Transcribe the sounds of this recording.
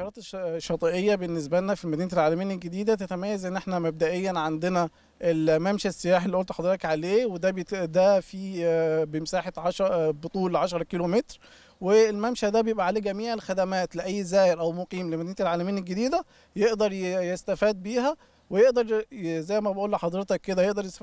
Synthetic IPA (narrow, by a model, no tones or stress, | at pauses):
ɑɾɑːt̪ʃːɑt̪ˤiʔejːæbenːes̬bælnæfilmæd̪iːnælʕaːlæmejːænelɡed̪iːd̪æt̪æt̪æmæjːæzʔenːʔeħnæmæb̚d̪æʔejːænʕand̪enæ | ʔelmæmʃæsːejaːħelːiːʔolt̪ħɑd̪ˤɾt̪ɑkʕaleːwed̪æbd̪æfiːbemsaːħet̪ʕɑʃbot̪ˤuːlʕɑʃɑɾˤɑkiːlomet̪ɾ | welmæmʃæd̪æbejebʔæʕaleːɡæmiːʕelxæd̪æmæːt̪leʔæjːzæːjɪɾʔæwmoqiːmlemæd̪iːnæelʕaːlæmejːænelɡed̪iːd̪æ | jeʔd̪ɑɾˤjest̪æfæːd̪̚biːɦæ | wejeʔd̪ɑɾˤzæjːmæbæʔuːlːħɑd̪ˤɾet̪ɑkːed̪æjeʔd̪ɑɾˤjest̪æ